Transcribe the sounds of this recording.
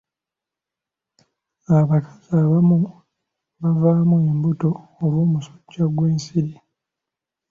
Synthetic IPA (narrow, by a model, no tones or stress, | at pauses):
aβakʰḁzaːβamu | βavaːmue̞mbuto̞ːɾwoːmuso̥ɟːaɡwe̞ːnsiɾi